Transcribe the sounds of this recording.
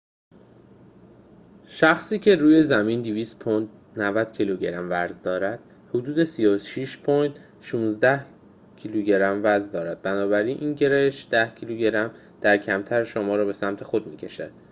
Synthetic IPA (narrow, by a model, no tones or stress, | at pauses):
ʃæxsiːcʰe̞ɾuːje̞zæmind̪iviːst̪pʰond̪ | nævæd̪̥cʰiluɟeɾæmvæɾzd̪ɒːɾæd̪̥ | hod̪uːd̪e̞sijoʃiʃpʰont̪ | ʃũːnzd̪æh | cʰiluɟe̞ɾæmvæɾzd̪ɒːɾæd̪̥̚bænɒːbæɾiːnʔiːnɟe̞ɾejeʃd̪æhcʰiluɟe̞ɾæm | d̪̥æɾcʰæmt̪ʰæɾʃomɒːɾɒːbe̞sæmt̪ʰe̞xo̞d̪miːcʰe̞ʃæ̰d̪̥